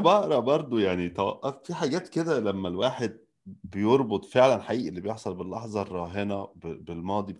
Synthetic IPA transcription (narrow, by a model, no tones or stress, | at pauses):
bɑʔɾˤɑʔbɑɾˤd̪ˤojaʕnit̪ɑːʔʔfiħaɡæːt̪ked̪ælæmːælwaːħed̪̚ | bejoɾˤbot̪ˤfeʕlænħaʔiːʔælːibejeħsˤɑlbelːɑħzˤɑrˤɑːɦenæbbelmɑːd̪ˤi